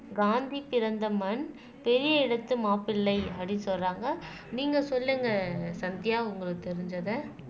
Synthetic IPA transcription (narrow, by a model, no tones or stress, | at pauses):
ɡaːnd̪ipɪɾɐnd̪ɐmɐn | pɛɾɪjɐɪɽɐt̪ːɯmaːpɪlːɐɪɐɽisɔlraːŋɡɐ | niːŋɡɐsɔlːɐŋɡɐsɐnd̪ɪjaːʊŋɡɐɭɯt̪ɛɾɪɲd͡ʒɐðɯ